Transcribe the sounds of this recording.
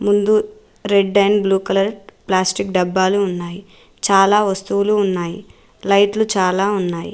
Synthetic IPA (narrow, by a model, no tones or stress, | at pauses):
mund̪u | ɾe̞ɖːɐjnbluːkɐlɐɾplaːsʈikɖɐbːaːluːnːaːji | t͡ʃaːlaːʋɐst̪uʋuluːnːaːjḭ | lɐjʈlut͡ʃaːlaːunːaːjḭ